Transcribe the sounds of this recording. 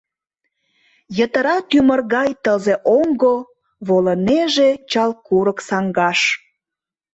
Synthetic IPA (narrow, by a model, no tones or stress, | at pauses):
jət̪əɾɑt̪ymərɣɑjt̪əzeʔoŋɡo | βoləneʒet͡ɕɑlkuɾəksɑŋɡɑʃ